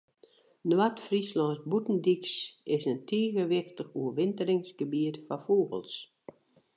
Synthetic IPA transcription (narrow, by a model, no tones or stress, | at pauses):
nwatfrislɔntbutn̩diksɪsəntʰeːɣəʋɪxtəxuəʋɪntərɪŋsɡ̥əbiətfafoːɣə̰lˠs